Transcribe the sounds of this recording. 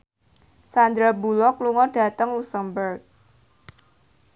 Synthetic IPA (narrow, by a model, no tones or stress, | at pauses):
sand̪ɾabulɔkluŋɔd̥a̤t̪əŋlusəmbərk̚